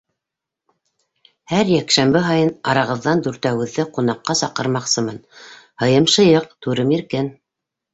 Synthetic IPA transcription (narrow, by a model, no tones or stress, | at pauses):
hæɾjækʃæmbɘɦɑjɤnɑɾɑʁɤ̆ðːɑnd̪ʉɾt̪æwɘ̆ðːɘqunɑqːɑsɑqɤ̆ɾmɑqsɤmɤn | hɤ̆jɤmʃɤ̆jɤq̚t̪ʉɾɤmjiɾkɘn